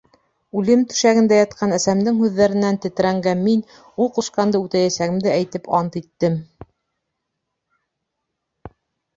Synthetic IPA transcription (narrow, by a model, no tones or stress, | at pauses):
ʉlɘmt̪ɵ̥̆ʃæɡɘ̆nd̪æjɑt̪̚qʰɑnæsæmd̪ɘŋhʉðːæɾɘ̆nːænt̪ɘ̆t̪ɘ̆ɾæŋɡæmmin | ulˠquʃqɑnd̪ɤʉt̪æjæsæɣɘ̆md̪ɘæjt̪ɘpʰɑnt̪it̪ːɘm